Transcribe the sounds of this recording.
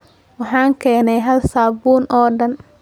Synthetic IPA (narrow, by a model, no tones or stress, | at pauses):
wɑħɑːŋkʰɛːnɛjɦɐlsaːbuːnʔɔːɖɐn